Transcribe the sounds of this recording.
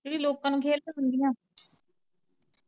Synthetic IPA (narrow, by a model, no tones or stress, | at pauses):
d͡ʒeːɽiːloːkãːnũːkʰeːlnĩːɦənd̪iːɦãː